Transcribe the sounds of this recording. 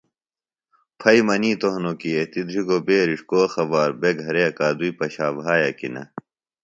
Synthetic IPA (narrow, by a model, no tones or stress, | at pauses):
pʰɐimɐniːt̪oɦnokiet̪id̪ɾiɡobeːɾiʂkoːxɐbaːɾbeɡʱɐɾeɐkaːd̪uipɐɕaːbɦaːjɐkḭnɐ̰